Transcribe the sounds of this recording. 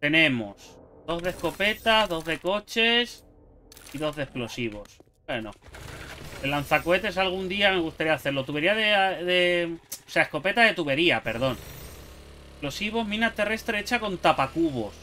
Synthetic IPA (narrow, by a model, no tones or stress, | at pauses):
t̪e̞nẽ̞mo̞̰sd̪o̞ððe̞hko̞pe̞t̪azðo̞ððe̞ko̞t͡ʃe̞s | iðo̞ððehplo̞siβ̞o̞̰sbwe̞no̰ | d̪elan̟θakoe̞t̪e̞salɣ̞und̪iame̞ɣ̞ust̪aɾiaaθe̞ɾlo̞t̪uβe̞ɾiaðeðeo̥seaesko̞pe̞t̪aðe̞t̪uβe̞ɾiape̞ɾð̞o̞n | ehplo̞siβ̞o̞ɦmĩnat̪e̞re̞st̪ɾeet͡ʃako̞nt̪apakuβo̞̰s